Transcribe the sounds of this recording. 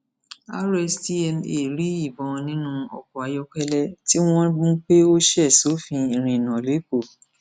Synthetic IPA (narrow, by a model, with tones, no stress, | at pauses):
a˦ɾɛ˧sti˦ɛ˧me˨ɾi˨˦i˦˨bɔ̃˨nĩ˦nũ˦ɔ̰˨kɔ˨a˨˧jɔ˧kɛ˦lɛ˦ti˦w̃ɔ̃˦dũ˦k͡pe˦o˦ʃɛ˦˨so˨˦fĩ˧i˨ɾ̃ĩ˨nã˨le˨˦ko˦˨